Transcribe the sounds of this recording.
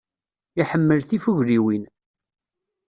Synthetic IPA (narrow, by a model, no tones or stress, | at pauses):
iħəmːəlθifuʝɾiwin